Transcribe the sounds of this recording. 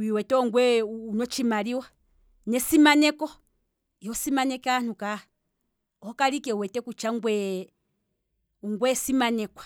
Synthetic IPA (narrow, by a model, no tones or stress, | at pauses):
wiwɛtɛɔŋɡwɛunɔt͡ʃimaɾiwa | nɛsimanɛkɔ | jɔsimanɛkan̥uka | hɔkaɾikɛwɛtɛkut͡ʃaŋɡwɛ | uŋɡwɛsimanɛkwḁ